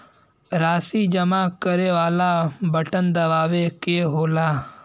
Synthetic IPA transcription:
ɾaːsid͡ʒəmaːkəɾeːʋaːlabəʈənd̪ɐʋaːʋekeɦoːlaː

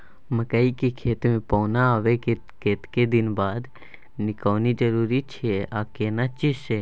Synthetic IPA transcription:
məkaikekʰeːt̪mẽpɔːnaaʋek | keːt̪ked̪ɪnbaːd̪ | nɪkəːnid͡ʒəɾuːɾit͡ʃʰeaːkeːnat͡ʃiʃe

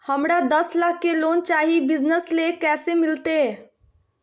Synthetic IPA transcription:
həmɽad̪əslaːkʰːeloːnt͡ʃaːɦibɪd͡ʒnəslekɛːsemɪlt̪e

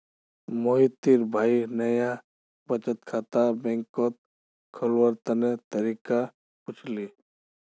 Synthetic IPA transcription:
moit̪iɾbʱaːinəja | pət͡ʃət̪̚kʰaːt̪abɛ̃ŋkot̪̚ | kʰəlwəɾt̪ənet̪əɾiːka | pʊt͡ʃʰli

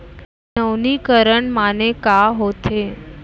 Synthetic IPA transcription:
nəʋnikəɾəɳmanekaɦot̪ʰe

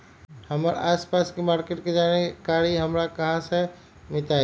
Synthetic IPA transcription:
hɐməɾ̰aːspaːskimaːɾkeʈked͡ʒaːnekaːɾiɦɐmɾakɐɦãse | mɪt̪aː

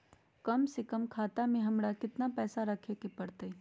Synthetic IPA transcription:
kɐmsekɐmkʰaːt̪amẽɦɐmɽakɪt̪napɛːsaɾɐkʰekepɐɽt̪e

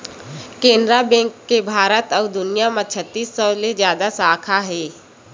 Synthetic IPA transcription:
kẽːnd̪ɾabɛ̃ːŋkːebʱaːɾət̪ɔːd̪ʊnɪjamət͡ʃʰət̪ːiːsːɔːlezjaːd̪asaːkʰaɦɛː

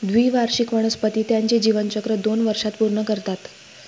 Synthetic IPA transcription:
d̪ʋiʋaɾɕikʋəɽ̃əspət̪iːt̪jaɲt͡ɕed͡ʑiʋənt͡ɕəkɾəd̪onʋəɾʂat̪puɾɳəkəɾt̪at̪

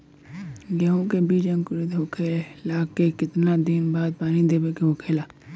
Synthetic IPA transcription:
ɡɛɦõkebiːd͡ʒə̃ŋkʊɾed̪ɦokʰeːllaːkekɪt̪nad̪ɪnbaːd̪̚paːnid̪eːbekeɦokʰeːlaː

